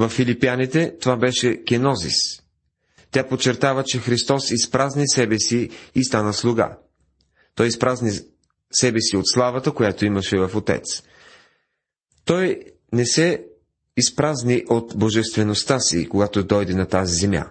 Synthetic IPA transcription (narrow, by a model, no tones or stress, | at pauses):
vɐfːilipianit̪ɛt̪ovabɛʃɛkʲɛnɔzḭs | t̪ʲapot͡ʃːɛɾt̪avət͡ʃɛxɾist̪ɔsispɾaznisɛbɛsiːst̪anəslˠuɡa̰ | t̪ɔjispɾazni | sɛbɛsiot̪slˠavət̪əkojat̪oimɐʃɛvɐfot̪ɛ̰t̪s | t̪ɔj | nɛsɛ | ispɾazniʔot̪boʒɛst̪vɛnost̪asḭkoɡat̪od̪ɔjd̪ɛnɐt̪azizɛmja̰